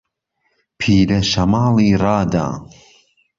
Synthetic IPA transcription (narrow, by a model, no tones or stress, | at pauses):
pʰiːɾɐʃɐmaːliːrɑːd̪a̰ː